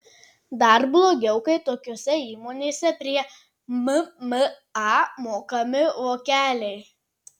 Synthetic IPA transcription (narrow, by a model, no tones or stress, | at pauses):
d̪ɐɾblˠoːɡʲɛʊkɐɪt̪oːkʲoːsʲɛiːmoːnʲeːsʲɛpʲɾʲiɛ | mm | ɑːmoːkɐmʲɪʋoːkʲæːlʲɛɪ